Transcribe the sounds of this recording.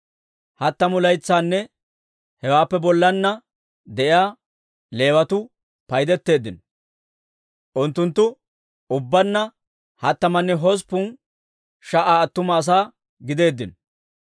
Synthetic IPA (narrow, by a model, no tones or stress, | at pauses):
hɐt̪ːɐmʊlɐjt͡sːaːnːɛ | hɛwaːpːɛbɔlːɐnːɐ | d̪ɛʔɪjaː | le̞ːwɐt̪ʊ | pɐjd̪ɛt̪ːe̞ːd̪ːɪn | ʔʊnt̪ːʊnt̪ːʊ | ʊbːɐnːɐ | hɐt̪ːɐmɐnːɛɦɔs̬pʊn | ʃɐʔaːɐt̪ːʊmɐːs̬aː | ɡɪd̪e̞ːd̪ːɪn